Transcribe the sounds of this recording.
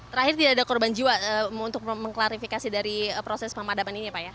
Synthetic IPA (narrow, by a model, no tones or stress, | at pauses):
t̪əɾahɪrt̪idaʔːdakɔrband͡ʒiwaəunt̪ʊk̚məŋklaɾifikasidaɾiəpɾosɛspəmadamaniniapaja